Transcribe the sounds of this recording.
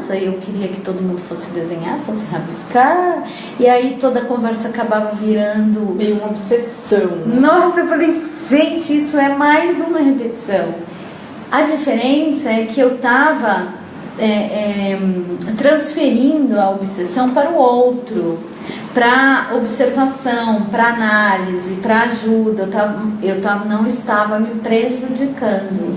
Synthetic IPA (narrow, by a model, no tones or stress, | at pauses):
sɐiewkɪɾiɐkɪ̥t̪od̪ʊmũd̪ʊfosɪ̥d̪ezẽɲad̪ʊfosɪɦabiskaɾ | iait̪od̪ɐkõvɛɾsɐakabavɐviɾɐ̃d̪ʊmejũmɐobises | ɐ̃w̃nɔsɐewfalejʒ̥ẽnt͡ʃɪisʊɛmajzũmɐɦepet͡ʃi̥sɐ̃w̃ | ɐd͡ʒifeɾẽsɐɛkɪewt̪avɐ | ɛɛ | t̪ɾɐ̃sfeɾĩnd̪ʊɐobisesɐ̃w̃paɾʊowt̪ɾʊ | pɾɐobseɾvasɐ̃w̃pɾɐanalizɪpɾɐaʒud̪ɐewt̪avɐewt̪avɐnɐ̃w̃ɪst̪avɐmɪpɾeʒud͡ʒikɐ̃d̪ʊ